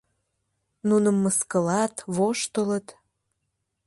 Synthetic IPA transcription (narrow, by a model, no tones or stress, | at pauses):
nunəmːəskəlɑt̪βoʃt̪ələt̪